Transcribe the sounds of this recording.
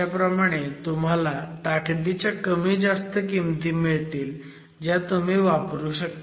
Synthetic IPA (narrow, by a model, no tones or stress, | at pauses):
apɾəmaɽ̃et̪um̤alat̪aʈʰd̪it͡ɕjakəmiːd͡zast̪əkimt̪iːmiɭt̪iːl | d͡ʑjat̪um̤iːʋapɾuːɕək̚t̪